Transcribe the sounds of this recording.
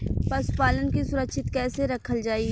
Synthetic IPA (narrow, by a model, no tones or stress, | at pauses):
pɐspaːlənkisʊɾəkʃɪt̪kɛːseɾɐkʰəld͡ʒaːi